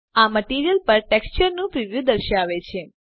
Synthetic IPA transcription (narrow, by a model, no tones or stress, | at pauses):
aməʈiɾijəlpəɾʈekst͡ʃəɾnũpɾiʋjud̪əɾʃaʋet͡ʃʰe